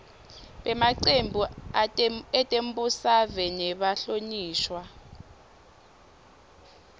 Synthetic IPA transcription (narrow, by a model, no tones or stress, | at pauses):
ɓɛmaǀembʱu | ɛtʼem̩busavɛnɛɓaɬoɲiːʃwa